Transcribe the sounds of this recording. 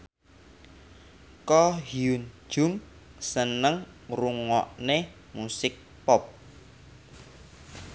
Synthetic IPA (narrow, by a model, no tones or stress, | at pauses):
kɔhiun̥ʒ̥ʊŋ | sənəŋruŋɔʔne | musɪk̚ | pɔp̚